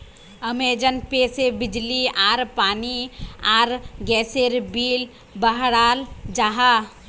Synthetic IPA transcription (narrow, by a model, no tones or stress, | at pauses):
əmeːd͡ʒənpeːsebɪd͡ʒliaːɾpaːniaːɾɡɛːseɾbiːl | bəɦɾaːld͡ʒaɦa